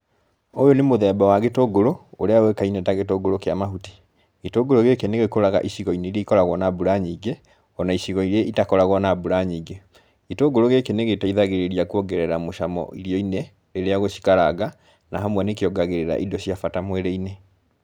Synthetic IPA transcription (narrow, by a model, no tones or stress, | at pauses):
ojonemoðɛbawaɣetoɡoɾoːɾeawekainɛtaɣetoɡoɾokeamaɦuti̥ | ɣetoɡoɾoɣekeneɣekoɾaɣa̰ʔiɕiɣɔineiɾeikɔɾaɣwɔnabuɾaɲiːɡe | ɔnaiɕiɣɔiɾeitakɔɾaɣwɔnabuɾaɲiːɡe | ɣ̥etoɡoɾoɣekeneɣetaiðaɣeɾeɾiakuoɡɛɾɛɾamoʃamɔ̰iɾiɔine | eɾeaɣoɕi̥kaɾaɣa | naɦamwanekeɔɡaɣeɾeɾa̰ʔidɔɕiafatamwɛɾeine